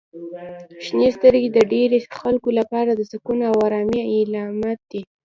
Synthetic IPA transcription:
ʃnest̪əɾɡed̪əɖeɾexalkolapɑɾad̪əsakunawɑɾɑmjailɑmat̪̚d̪̥i

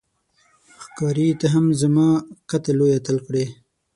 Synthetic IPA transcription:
xkɑɾit̪aɦamzamɑqat̪alojat̪əlkɽe

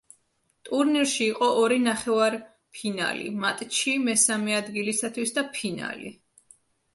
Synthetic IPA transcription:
t̪ʼuɾniɾʃiːqʼɔʔɔɾinaχɛvaɾ | pʰina̰lḭmat̪ʼt͡ʃʰimɛsamɛad̪ɡilisat̪ʰwisd̪apʰina̰lḭ

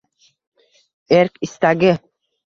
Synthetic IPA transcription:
eɾkist̪aɡɪ

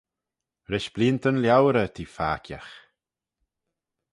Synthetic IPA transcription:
ɾɪʃb̥liːnt̪ənljawɾət̪ʰiːfa̰ːkʰja̰x

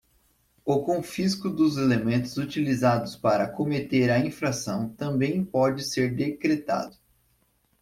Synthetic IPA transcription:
ʊkõfiskʊd̪ʊzelemẽnt̪ʊzut͡ʃilizad̪ʊspaɾɐkomet̪eɾɐĩfɾasɐ̃w̃t̪ɐ̃mbẽj̃pɔd͡ʒɪseɾd̪ekɾet̪a̰d̪ʊ

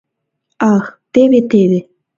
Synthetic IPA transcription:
ɑxt̪eβet̪eβe

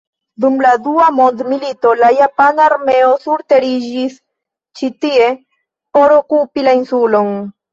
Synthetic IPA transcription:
d̪umladuamo̞nd̪milito̞lajapanaːɾme̞osuɾte̞ɾid͡ʒis | t͡ʃit̪ie̞ | po̞ɾokupilainsulo̞n

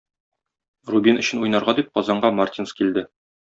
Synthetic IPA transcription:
rubʲinɵ̆ɕɘ̆nujnɑɾʁɑd̪ip̚qɒzɑɴɢɑmart̪ʲinskild̪ɘ

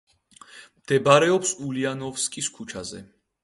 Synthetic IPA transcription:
md̪̥ɛbaɾɛɔpsulianɔvskʼiskʰut͡ʃʰazɛ̰

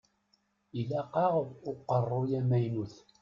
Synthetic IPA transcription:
ilæqɑʁʊqːərˤːʊjæmæjnuθ

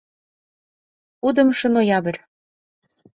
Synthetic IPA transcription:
ud̪ɤ̆mʃɤ̆nojɑβɘ̆rʲ

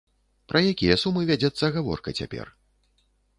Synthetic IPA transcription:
pɾʔɐjakʲijɐsumɨvʲad͡zʲɛt̪sːɐɣavɔ̰rkɐt͡sʲa̰pʲɛ̰r

